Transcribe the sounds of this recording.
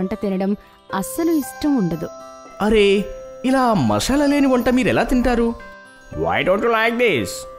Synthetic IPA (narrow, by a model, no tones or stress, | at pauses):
ɐɳʈɐt̪inɐɽɐm | ɐsɐluiʂʈɐmuɳɖɐd̪uɐɾeilaːmɐ̰ʂaːlɐle̞ːniʋɐɳʈɐmiːɾɛlaːt̪iɳʈaːɾu | ʋa̰ːjɖoːɳʈjuːlajk̚d̪is